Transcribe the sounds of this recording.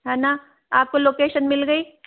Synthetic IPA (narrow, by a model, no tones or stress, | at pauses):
ɦɛːna | aːp̚koloːkeːʃənmɪlɡəiː